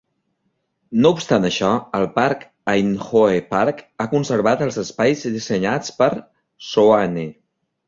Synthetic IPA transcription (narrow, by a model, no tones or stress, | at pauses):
noupst̪anəʃɔəlˠpaɾk | ajnxoepaɾkakunsəɾβat̪əlˠzəspajzðizəɲat͡spəɾ | soani